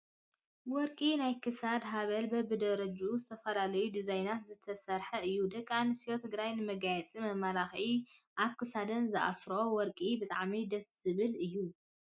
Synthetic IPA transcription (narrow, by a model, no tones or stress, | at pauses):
wɔɾkʼinajkʰɨsad̪ɦaβɐlbɐbɨd̪ɐɾɐd͡ʒuzɨt̪ʰɐfɐlalɐjud̪izajnat̪zɨt̪ʰɐsɐɾħɐɨjːud̪ɐkʼanɨsiot̪ʰɨɡɾajnɨmɐɡajɛt͡sʼimɐmaɾaxʕiʔaβkʰɨsad̪ɐnzɨʔa̰sɾo̞wɔɾkʼibɨt̪ʼa̰ʕmid̪ɐs | ɨβɨlɨjːu